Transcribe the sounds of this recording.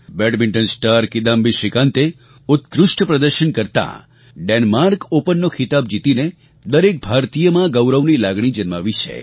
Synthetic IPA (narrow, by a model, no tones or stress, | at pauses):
bɛɖmiɳʈənsʈaɾkid̪ãmbiʃɪkãnt̪e | ʊt̪kɾʊʃʈəpɾəd̪əɾʃənkəɾt̪ã̰ | ɖenmaɾkopənːokʰɪt̪ab̚d͡ʒit̪ine | d̪əɾek̚bʱaɾt̪ijəmãɡəwɾəʋnilaɡɳ̃id͡ʒənmaʋit͡ʃʰḛ